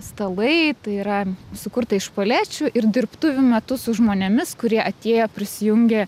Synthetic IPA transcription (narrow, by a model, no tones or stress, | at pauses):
st̪ɐlˠɐɪt̪ɐɪiːɾɐsʊkʊɾt̪ɐɪʃpoːlʲæːt͡ʃʲʊʔɪrd̪ʲɪrpt̪uːʋʲʊmʲɛt̪ʊsʊʒmoːnʲɛmʲɪskʊɾʲiɛʔɐt̪ʲeːjoːpʲɾʲɪsʲɪjʊŋʲɡʲɛ